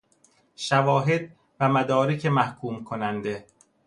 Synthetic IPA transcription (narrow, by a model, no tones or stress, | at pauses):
ʃævɒːɦe̞d̪̚ | væmæd̪ɒːɾecʰemæhkʰuːmkʰonænd̪e